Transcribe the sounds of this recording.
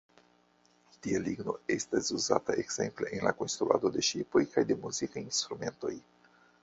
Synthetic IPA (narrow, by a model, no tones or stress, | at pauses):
t̪ialiɡno̞̰e̞stasuza̰taʔeɡz̥e̞̰mple̞ʔenlako̞nst̪ɾua̰d̪o̞de̞ʃipo̞jkajd̪e̞muzikajinst̪ɾume̞nto̞̰j